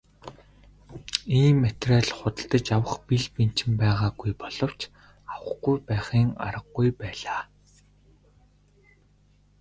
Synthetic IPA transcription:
iːmːet̪raɮχʊt̪ə̆ɬt̪ə̆t͡ɕawə̆χpiɮpen̥t͡ɕɪ̆mpæːʁaːɡujpɔɮ̥ɞ̆w̥t͡ɕ | awə̆χɡujpæːχiːŋa̰ɾə̆ɡːujpæːɮaː

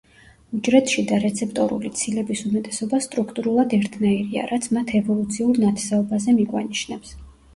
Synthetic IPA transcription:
ud͡ʒɾɛt̪ʰʃid̪aɾɛt̪sʰɛp̚ʰt̪ʼɔɾṵlit̪sʰilɛbisumɛt̪ʼɛsɔbast̪ʼɾukʰt̪ʼuɾulˠad̪ɛɾt̪ʰnaiɾia̰ɾat̪sʰmat̪ʰɛvɔlˠut̪sʰiuɾnat̪ʰsaɔbazɛmiɡwa̰niʃnɛps

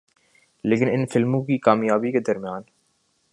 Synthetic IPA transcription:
lɪkɪnɪnfɪlmuːkiːkaːmjaːbiːkəd̪ɐɾmjaːn

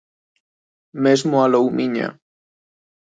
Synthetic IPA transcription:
mezmoalowmʔiɲa̰

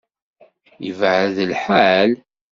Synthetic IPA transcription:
jəvʕðəlħal

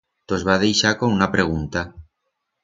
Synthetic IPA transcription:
t̪o̞zβaðe̞jʃakounapɾe̞ɣ̞unt̪a

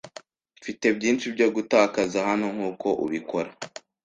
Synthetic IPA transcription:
ifite̞bɟiːnʃibɟoɡutaːkazahano̞ŋhuːko̞ʔṵβikoɾa

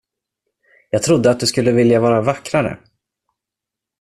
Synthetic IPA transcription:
jɑːɡ̚t̪ʰɾʊd̪ːəat̪̚d̪ɵskɵlːəvɪljavɑːɾavakːɾaɾə̰

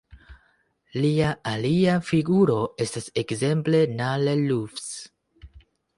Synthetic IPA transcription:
liaaliafiɡuɾo̞e̞stase̞kze̞mple̞nalelufs

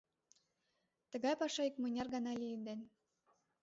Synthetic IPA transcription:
t̪ə̆ɣɑjpɑʃɑikmɤnʲɑrɣɑnɑlʲijənd̪en

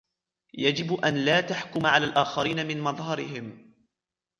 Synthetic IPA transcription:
jad͡ʒɪbʔanlaːt̪aħkʊmaʕalaːlʔaːxɑɾiːnamɪnmɑðˤɦɑɾɪhɪm

